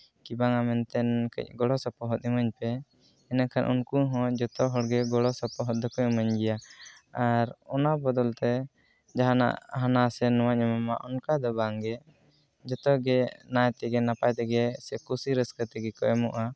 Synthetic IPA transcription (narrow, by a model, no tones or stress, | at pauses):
kibaŋamɛnt̪ɛnkə̰c̚ɡɔlɔsɔpɔɦɔt̪̚ˀiməɲpɛ | ɛnakʰanʔṵnkuɦɔ̃d͡ʒɔt̪ɔɦɔɽɡɛɡɔlɔsɔpɔɦɔt̪̚d̪ɔkɔiməɲɡɛjaaɾɔnabɔd̪ɔlt̪ɛ | d͡ʒaɦana̰ʔɦanasɛnɔwaɲɛmamaʔɔnkad̪ɔbaŋɡɛ | d͡ʒɔt̪ɔɡɛnajt̪ɛɡɛnapajt̪ɛɡɛsɛkusiɾəskət̪ɛɡɛkɔʔɛmɔ̰ʔa